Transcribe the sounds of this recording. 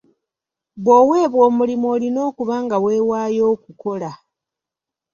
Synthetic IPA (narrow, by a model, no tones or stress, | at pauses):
βwowe̞ːβwo̞ːmulimo̞ːlino̞ːkuβaːŋɡawe̞ːwaːjo̞ːkuko̞la